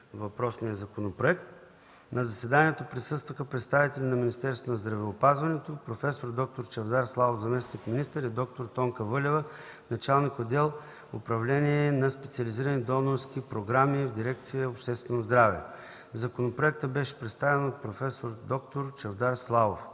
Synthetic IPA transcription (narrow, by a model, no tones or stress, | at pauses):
vɐpɾɔsnʲiəzɐkonopɾoɛkt̪ | nɐzɐsɛd̪aniɛt̪opɾisɤst̪vəxəpɾɛt̪st̪avit̪ɛlʲinɐminist̪ɛɾst̪vonɐzd̪ɾɐvɛʊpazvɐnɛt̪opɾofɛsoɾd̪ɔk̚t̪oɾt͡ʃɛvd̪aɾslˠavovzɐmɛsnikminist̪əɾid̪ɔk̚t̪oɾt̪ɔŋkəvɤlʲɛvə | nɐt͡ʃalˠnikod̪ɛlˠ | ʊpɾɐvlɛniɛnɐspɛt̪siəliziɾənid̪ɔnoɾskipɾoɡɾamivd̪iɾɛk̚t̪sijəopʃt̪ɛst̪vɛnozd̪ɾavɛ̰ | zɐkonopɾoɛk̚t̪əbɛʃɛ̥pɾɛt̪st̪avɛnot̪̚pɾofɛsoɾd̪ɔkt̪oɾt͡ʃɛvd̪aɾslˠavof